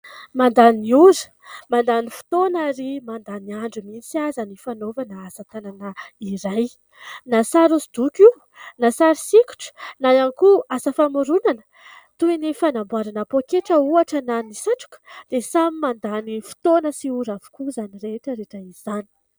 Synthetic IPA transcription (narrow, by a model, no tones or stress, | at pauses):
mand̪aniuɾi̥ | mand̪anifu̥t̪onaɾimand̪aniaɳɖ͡ʐumit͡siazanifanovanaasət̪ananəiɾaj | nasaɾusid̪ukʲi | nasaɾisikʲu̥ʈ͡ʂə̥najankuasəfamuɾunanə̥ | t̪uinifanambwaɾanapokeʈ͡ʂəuaʈ͡ʂənanisaʈ͡ʂu̥kə̥d̪̥esamimand̪anifi̥t̪onəsiuɾavu̥kuzanireʈ͡ʂəɾeʈ͡ʂəiz̥ani̥